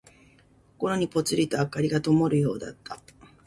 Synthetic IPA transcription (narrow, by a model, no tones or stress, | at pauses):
koko̞ɾo̞ɲ̟ipo̞t͡sɨɾʲit̪o̞akaɾʲiɡat̪o̞mo̞ɾɯ̟jo̞ːd̪a̰t̪ːa